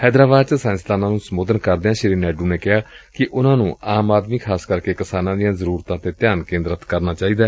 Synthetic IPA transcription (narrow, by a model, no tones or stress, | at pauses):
hɛːd̪ɾaːbaːd̪̚t͡ʃəsãːnst̪aːnãːnũːsəmoːd̪ənkəɾd̪eːãːʃɪɾiːnɛːɖuːneːkɪɦaːkɪʔʊnãːnũːaːmaːd̪miːkʰaːskəɾkeːkɪsaːnãːd̪ijãːzəɾuːɾt̪ãːt̪eːt̪ɪjaːnkẽːnd̪ɾət̪kəɾnaːt͡ʃaːiːd̪aː